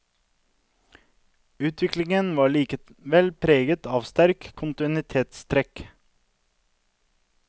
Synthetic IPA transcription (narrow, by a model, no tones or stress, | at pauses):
ʉːt̪ʰʋɪklɪŋənʋɑːɭiːkəʋɛlpʰɾeːɡət̪ʰɑːʋst̪æɾkʰːʊnt̪ɪnɪt̪ʰeːt̪st̪ʰɾɛk